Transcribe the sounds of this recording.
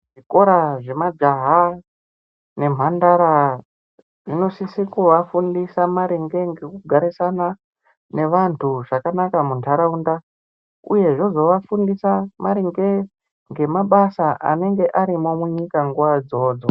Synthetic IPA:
ʐiko̞ɾaʐe̞mad͡ʒaɦa | ne̞m̤andaɾa | ʐino̞sisikuʋafundisamaɾiŋɡe̞ŋɡe̞kuɡʱaɾisana | ne̞ʋantʰuʐakanakamuntʰaɾaunda | ṵje̞ʐozo̞ʋafundisamaɾiŋɡe̞ | ŋɡe̞maɓasaʔa̰ne̞ŋɡe̞ʔaɾimo̞muɲikaŋɡuʋad͡zo̞ːd͡zo

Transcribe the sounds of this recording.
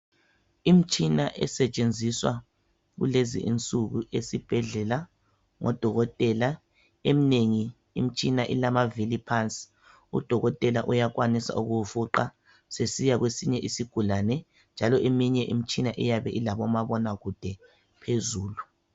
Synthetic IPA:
im̩t͡ʃʼinaʔɛ̰sɛt͡ʃʼend͡zʱiswa̰ | ɣṵlezḭʔḭnt͡sʼuɣuʔesib̥ʱɛɮɛla | ŋʔɔ̰d̥ʱɔɣɔtʼɛla | emineŋiː | m̩t͡ʃʼinaʔḭlamavilipʰant͡sʼi̥ | ṵd̥ʱɔɣɔtʼɛlaʔujakwanisa̰ʔuɣufuǃa | sesijaɣwesiɲɛʔisiɡ̥ʱulanɛ | nd͡ʒʱalɔʔemiɲɛʔḭm̩t͡ʃʼinaʔɛjaβɛʔilaβɔmaβɔnaɣud̥ʱɛ | pʰezuːlu

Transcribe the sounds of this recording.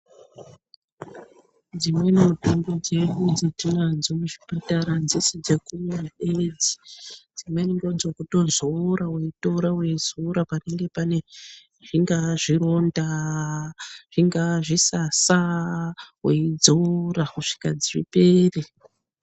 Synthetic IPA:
d͡zimwe̞nemutembod͡ʒe̞ɗud͡zatinanzomuʐipataɾand͡zisid͡zekumemuɗed͡zi̥d͡zimweniŋɡo̞nzokuto̞zoɾaweito̞ɾawe̞zoɾapane̞ŋɡe̞pane̞ | ʐ̥iŋɡaʐiɾo̞nda | ʐ̥iŋɡaʐisasa | weid͡zorakuʂi̥ka̰d͡zirḭpeːre

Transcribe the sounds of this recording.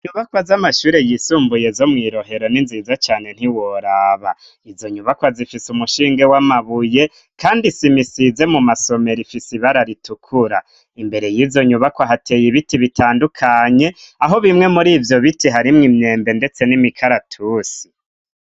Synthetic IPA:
ɲuβakwazamaʃuːɾe̞jiːsuːmbuje̞zo̞mŋiːɾo̞ɦe̞ɾo̞ninzizat͡ʃaːne̞n̥hiwoɾaβa | izo̞ɲuβakwazifisumuʃiːŋɡe̞wamaβuje̞ | kʰaːndisimisize̞mumaso̞me̞ɾifisiβaɾaɾitukʰuɾa | imbe̞ɾe̞jiːvjo̞ɲuβakwaɦatʰe̞jiβitiβitʰaːndukʰaɲe̞aɦo̞βimŋe̞muɾiːvjo̞βitiɦaɾimŋimɲe̞ːmbe̞nde̞t͡se̞nimikʰaɾatʰusi̥

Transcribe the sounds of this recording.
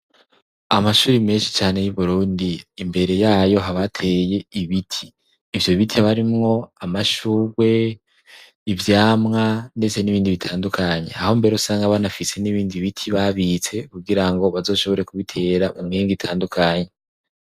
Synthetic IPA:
amaʃuːɾimeːnʃi̥t͡ʃaːne̞juβuɾuːndiːmbe̞ɾe̞jaːjo̞ɦaβatʰe̞je̞iβitʰiː | vjo̞βitʰiaβaɾimŋo̞amaʃuːɾwe̞ | ivjaːmŋande̞t͡se̞niβiːndiβitʰaːndukʰaɲe̞̰aho̞mbe̞ɾusaːŋɡaβanafise̞niβiːndiβitʰiβaβit͡se̞kuɡiɾaŋɡo̞βazo̞ːʃo̞βo̞ɾe̞kuβitʰe̞ːɾamumŋiːŋɡitʰaːndukʰaɲe̞

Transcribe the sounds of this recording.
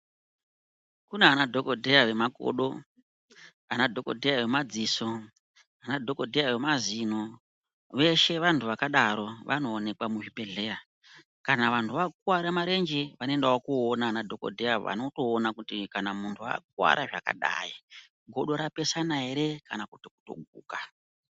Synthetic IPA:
kuneanadʱo̞kodʱejaʋe̞mako̰ɗo̞̰ | anadʱo̞ko̞̰dʱejawe̞mad͡ziso̞ | anadʱoko̞dʱejaʋe̞mazino | ʋe̞ʃe̞ʋantʰuʋakaɗaɾoʋa̰no̞ːne̞kwamuɦipe̞ɮe̞a | kanaʋantʰuʋakwaɾamaɾe̞nd͡ʒeʋano̞endawokuonaːnadʱo̞ko̞̰dʱeaʋa̰no̞to̞ːnakutikanamuntʰua̰k̚wa̰ɾʔaʐaka̰ɗa̰i | ɡʱo̞ɗo̞ɾape̞sanaɦe̞ɾe̞kanakutoku̥to̰ɡʱṵːka

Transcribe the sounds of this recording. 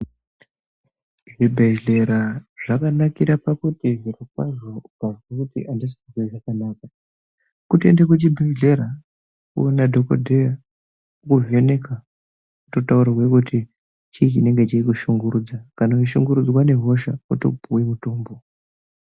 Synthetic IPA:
ʐibʱed͡ʒɮeɾaʐ̥akanakiɾapakutiʐiɾikwa̰ʐopavwakutḭʔandisiiziiʐakanaːka | kutḛndekwut͡ʃibʱeʒleɾa | ṵnadʱokodʱea | kuve̞ne̞ka | utotauɾarwekutʰi | t͡ʃit͡ʃine̞ŋɡe̞t͡ʃiikuʃuŋɡuɾud͡zakanaiʃuŋɡuɾud͡zwane̞ɦo̞ʃauto̰bʱuwimuto̞ːmbo

